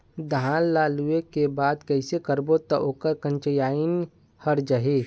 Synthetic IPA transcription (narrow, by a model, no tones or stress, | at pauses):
d̪aːnlːaːluekebaːd̪kəɪsekəɾbot̪ɔʔoːkəɾkə̃nt͡ʃəjaːin | həɾd͡ʒəɦe